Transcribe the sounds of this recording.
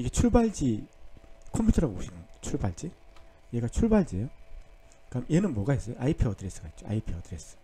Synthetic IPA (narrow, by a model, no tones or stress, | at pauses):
iɡe̞t͡ɕʰuɭbaɭd͡ʑi | kʰompʰjutʰʌɾaɡooɕʰinɯnt͡ɕʰuɭbaɭd͡ʑi | jeɡat͡ɕʰuɭbaɭd͡ʑiejo | kamienɯnmwʌɡaɦes͈ʌjoʔaipʰiʌdɯɾes͈ɯ̥kait̚t͡ɕoʔa̰ipʰiʌdɯɾes͈ɯ̥